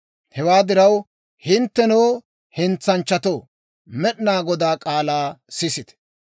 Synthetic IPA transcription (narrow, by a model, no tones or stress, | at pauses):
hɛwaːd̪ɪɾɐw | hɪnt̪ːɛnoː | hɪnt͡sːɐnt͡ʃːɐt̪oː | mɛɗnaːɡɔd̪aːkʼaːlaːsɪsɪt̪ɛ̥